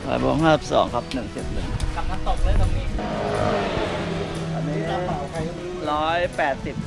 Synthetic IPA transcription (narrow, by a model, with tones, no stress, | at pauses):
ɔ̰ː˨˩jbo̰ː˧˥ŋɦaː˥˩si˨˩sɔ̰ː˩˦ŋkʰɾa˦˥p̚nɯ˨˩ŋt͡ɕe˨˩t̪̚nɯ˨˩ŋka˨˧˩p̚kʰa˧˥nt̪o˨˩k̚ləː˦˥jkʰa˧˩ŋniː˥˩˧ | a˧˩˨a˨˩ni˦aː˧˥˩a˩˦wkʰa˧ | ɾɔː˦˥jpɛː˨˩t̪̚si˨˩p̚